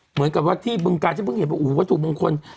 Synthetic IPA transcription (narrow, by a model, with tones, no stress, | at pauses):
mɨ˨˦nka˨˩p̚waː˥˩t̪ʰiː˥˩bɯ˧ŋkaː˧t̪ʰiː˧˥˩bɯ˧ŋhe˨˦pwa˧˩ʔuː˨˩˦kaː˧˥˩t̪ʰu˨˩ɓa˧ŋkʰo˧n